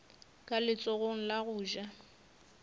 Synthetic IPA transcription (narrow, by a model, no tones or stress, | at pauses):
kʼalɪt͡sʼɔɣoŋ̩laɣʊːʒa